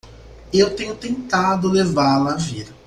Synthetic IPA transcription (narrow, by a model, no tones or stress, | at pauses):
ewt̪ẽɲʊt̪ẽnt̪ad̪ʊlevaɾlɐːvid̪ɐ